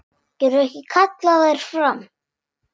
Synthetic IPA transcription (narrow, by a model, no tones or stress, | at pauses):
cɛɾʏɛhcɪkʰat̪laɣaɾ̥fɾam